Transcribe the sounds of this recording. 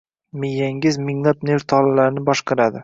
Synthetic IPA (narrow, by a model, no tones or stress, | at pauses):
mejːaŋɡʲɪzmɪŋnat̪neɾt̪ʰɒlalaɾnɪbɒʃqʰɑɾad̪ɪ